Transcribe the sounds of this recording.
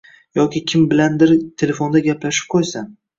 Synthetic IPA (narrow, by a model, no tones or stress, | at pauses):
jɒkʲɪkʲʰɪmbɪland̪ɪɾt̪ʰe̞le̞fond̪aɡʲaplaʃɪ̥p̚qʰojsan